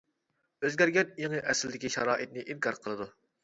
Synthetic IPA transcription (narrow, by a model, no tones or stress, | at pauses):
øzɡʲæɾɡʲɛnjeŋəʔɛsɪld̪ɪkʲiʃɑɾɑːʔɨt̪̚nɨʔinkʰɑɾqʰəlˠɨd̪u